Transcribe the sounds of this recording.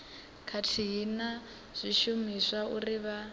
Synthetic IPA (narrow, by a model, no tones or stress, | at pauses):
kʰatʰiɦina | z̥ʷiʃumisauriβa